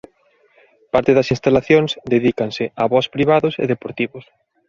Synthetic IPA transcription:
paɾt̪ɪðɐsĩnst̪alaθjoŋsd̪eðikansɪaβɔspɾiβ̞aðʊsḛðepoɾt̪iβʊs

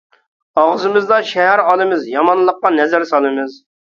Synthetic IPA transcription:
ɑʁzɨmɨzd̪ɑʃɛɦæɾɑlˠɨmɪzjɑmɑnlˠːəqːɑnɛzæɾsɑlˠɨmɨz

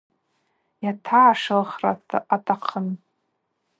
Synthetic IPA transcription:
jatʰaːʂɨlχratʰʼa̰ʔatʼaqʰən

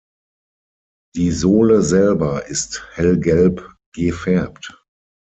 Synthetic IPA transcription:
d̥iːzoːləzɛlbɐʔɪsthɛlɡɛlp | ɡ̥əfɛɐpt

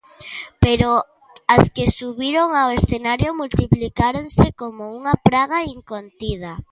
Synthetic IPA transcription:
peɾo | askesuβiɾoŋawesθenaɾjomult̪iplikaɾoŋsɪkomouŋapɾaɣaiŋkont̪ið̞a

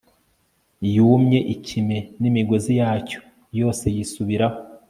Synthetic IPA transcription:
juːmɲe̞ʔicime̞nimiɡo̞zijaːco̥ | jo̞ːse̞jisuβiɾaho

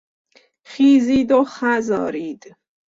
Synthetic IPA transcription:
χiːziːd̪oχæzɒ̰ːɾiːd̪̥

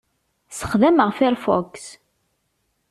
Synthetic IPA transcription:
sə̥χðæməʁfiɾfɔ̰ks

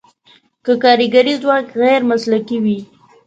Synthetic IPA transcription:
kəkɑɾiɡaɾizwɑkɣaɾmaslakiwi

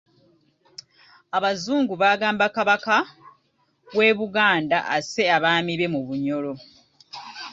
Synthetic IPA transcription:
aβazuːŋɡuβaːɡaːmbakaβaka | βwe̞ːβuɡaːndaʔase̞aβaːmiβe̞muβuɲo̞lo̞

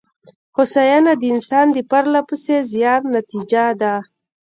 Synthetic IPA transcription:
hosajanad̪əɪnsɑnd̪əpaɾlapusezjɑɾnat̪id͡ʒad̪a

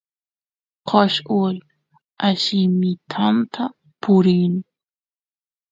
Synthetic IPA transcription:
qɑʃʊl | aʃɪmɪt̪ʰant̪ʰa | pʊɾin

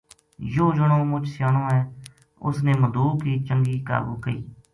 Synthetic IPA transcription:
joːd͡ʒəɽõːmʊt͡ʃsjaːnõːɦɛː | ʊ̰sneːməd̪uːkiːt͡ʃəŋɡiːka̰ːɡṵːkəḭː

